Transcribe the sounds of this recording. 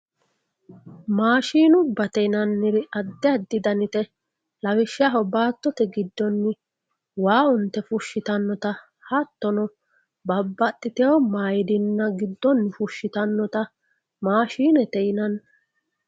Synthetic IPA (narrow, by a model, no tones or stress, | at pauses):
maːʃiːnʊbːɐt̪ɛjnɐnːɪɾɪɐd̪ːɛɐd̪ːɪd̪ɐnɪt̪ɛ | lɐwɪʃaɦɔbaːt̪ːɔt̪ɛɡɪd̪ːɔnːɪ | waːʊnt̪ːɛfʊʃːɪt̪ɐnːɔt̪ɐ | hɐt̪ːɔnɔ | bɐbːɐɗːɪt̪ɛɔmaːjɪd̪ɪnːɐɡɪd̪ːɔnːɪfʊʃːɪt̪ɐnːɔt̪ɐ | maːʃiːnɛt̪ɛjɪnɐn